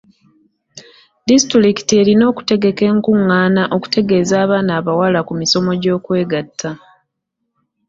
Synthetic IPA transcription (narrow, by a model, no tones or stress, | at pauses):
distɾiki̥tie̞ɾino̞ːku̥te̞ɡe̞ke̞ŋkuŋːaːnaʔo̞ku̥tʰe̞ɡe̞ːzaːβaːnaːβawalakumiso̞mo̞ɟo̞ːkwe̞ːɡatʰːa